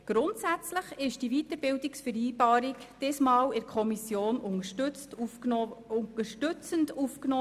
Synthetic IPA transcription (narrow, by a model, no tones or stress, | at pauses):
ɡ̥ɾʊntsæt͡sləχɪʃd̥ivitəɾbɪwdiksfəɾiːbɑːɾikd̥ɪsmɑːwɪɾkʰχɔmisjoːnʊŋəʃt͡stuʊəʃtʏt͡səndufknɔː